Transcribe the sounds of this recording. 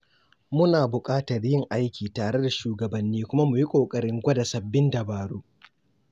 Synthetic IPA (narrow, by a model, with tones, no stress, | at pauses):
mʊ˦naː˨bʊ˨kʼaː˦tɐ˨rjɪ˦ŋʔa˦jkʲʰiː˨taː˨ɽe˦da˨ʃuː˨ɡɐ˨bɐ˨nːiː˦kʷʊ˦ma˦mʊ˨ji˦kʷʼoː˨kʼɐ˨ɽɪ˦ŋɡʷɐ˦da˨sɐ˨bːɪ˦ndɐ˨baː˨ɽu˦ʔ